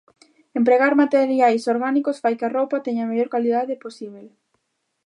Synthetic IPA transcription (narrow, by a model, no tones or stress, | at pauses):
empɾeɣaɾmat̪eɾjajsoɾɣanikosfajkarowpat̪eɲameʎoɾkaliðaðeposiβl